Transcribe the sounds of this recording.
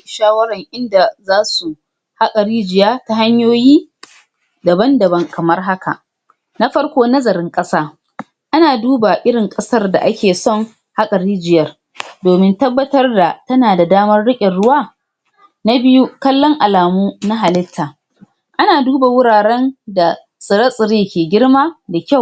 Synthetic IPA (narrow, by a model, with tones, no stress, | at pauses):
ʃaː˦wɐ˦ɾɐ˨ŋʔɪ˦nda˨zaː˦su˨ | ha˦kʼɐ˨ɽiː˦d͡ʒɪ˨jaː˦ta˦ɦa˦ɲjoː˦jiː˦ | dɐ˨bɐ˦ndɐ˨bɐ˦ŋkɐ˨mɐ˦rɦa˦ka̰˨ | na˦ɸɐ˦rkʷoː˦nɐ˦zɐ˨ɾɪ˦ŋkʼɐ˦saː˦ | ʔa˦naː˨duː˦ba˨ʔɪ˦ɽɪ˨ŋkʼɐ˦sɐ˦rda̰˨ʔa˦kʲeː˨sɔ˦ŋ | ha˦kʼɐ˨ɾiː˦d͡ʒɪ˨jɐ˦r | doː˨mɪ˦ntɐ˦bːɐ˦tɐ˦rda˨tɐ˦naː˨da˨daː˦mɐ˦rɽɪ˦kʲʼɪ˨nɽʊ˦waː˦ | na˦bɪ˦ju˦kɐ˦lːɔ˦ŋʔa˨laː˨muː˦na˦ɦa˨lɪ˦tʰːaː˨ | ʔa˦naː˨duː˦ba˨wʊ˦ɽaː˨ɽɛ˦nda˨ | sʼɪ˨ɾɐ˦sʼɪ˨ɽeː˦kʲeː˨ɡʲɪ˦ɽmaː˦da˨kʲa˦˨w